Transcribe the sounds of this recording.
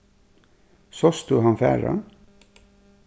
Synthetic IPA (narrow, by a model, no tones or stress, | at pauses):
sɔsd̪ʉːɦɑnfæ̰ːɹɑ̰n